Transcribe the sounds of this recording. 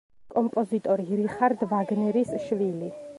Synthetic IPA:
kʼɔmpʼɔzit̪ʼɔɾiɾiχaɾd̪vaɡnɛɾisʃvili

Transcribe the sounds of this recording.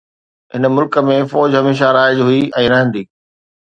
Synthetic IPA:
ɦɪnəmʊlkə̆mẽfɔːd͡ʑɦɐmeːʃ̬aɾaːɪd͡ʑɦʊiɛ̃ːɾɐɦɪ̃nd̪iː

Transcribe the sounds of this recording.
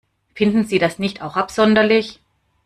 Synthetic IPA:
fɪndn̩ziːdasnɪçtaʊxʔapz̥ɔndɐlɪç

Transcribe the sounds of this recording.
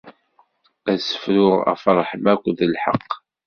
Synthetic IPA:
æsə̥fɾʊʁæ̰fɾˤħəmækʷːðəlħɑ̰qː

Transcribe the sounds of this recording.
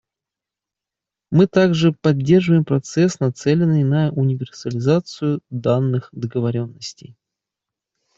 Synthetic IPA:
mɨt̪aɡʐɨpɐdʲːe̞rʐɨvəjɪmpɾɐt̪sɛsnɐt̪sɛlʲɪnːɨjnəʔʊnʲɪvʲɪrsəlʲɪzat̪sɨjʊd̪anːɨxd̪əɡəvɐɾʲo̞nːəsʲtʲɪ̰j

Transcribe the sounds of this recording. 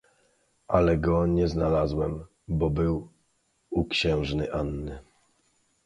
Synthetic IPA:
ʔalɛɡɔɲɛznalazwɛm | bɔbɘw | ukɕɛ̃w̃ʐnɘʔanːɘ

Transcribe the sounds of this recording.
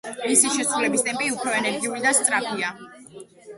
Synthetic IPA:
misiʃɛsɾulɛbist̪ʼɛmpʼiupʰɾɔɛnɛɾɡiuɾid̪ast̪sʼɾapʰia

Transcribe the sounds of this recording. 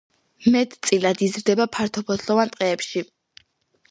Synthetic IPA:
mɛt̪t̪sʼilad̪izɾd̪ɛbapʰaɾt̪ʰɔpʰɔt̪ʰlˠɔvant̪ʼqʼɛːpʃi

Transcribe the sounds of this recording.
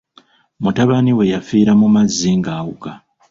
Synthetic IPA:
mutaβaniwe̞jafiːɾamumazːiŋɡaːwuka

